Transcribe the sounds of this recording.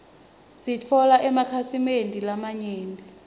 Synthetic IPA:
sit͡fʰɔlaʔɛmakʰasʰimendʱilamaɲeːnʱi

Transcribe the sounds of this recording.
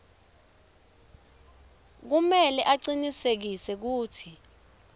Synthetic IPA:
k̬umɛlɛʔaǀinisek̬isɛk̬uːtʰi

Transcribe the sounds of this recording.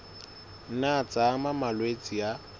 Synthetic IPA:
n̩nat͡sʼamamalwet͡sʼija

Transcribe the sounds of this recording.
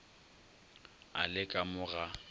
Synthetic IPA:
a̰lɪkʼamʊɣa

